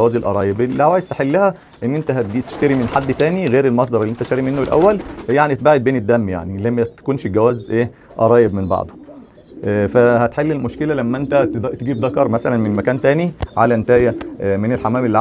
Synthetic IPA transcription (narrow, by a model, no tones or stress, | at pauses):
æwæːzelʔɑ̰ɾˤɑːjebelːiʕawæːjez̥t̪eħelːæhæ | ʔenːʔent̪æɦæd̪it̪e̥ʃt̪æɾimenħad̪ːt̪æːniɣeːɾelmɑs̬ˤd̪ˤɑɾˤeliʔent̪æʃæɾimenːoelʔæ̰wːæljaʕnit̪baːʕed̪̚beːned̪ːæmːja̰ʕnilæmːæt̪æ̥kuːnʃɡæwæːzʔeː | ʔɑ̰ɾˤɑːjebmenbɑ̰ʕd̪ˤo | ʔfæhæt̪ħelːelmoʃkelælæmːæʔent̪æt̪t̪eɡiːb̚d̪ɑkɑɾˤmæsælænmenmækæːnt̪æːniʕalænt̪æːjæmenelħamæːmelːiʕ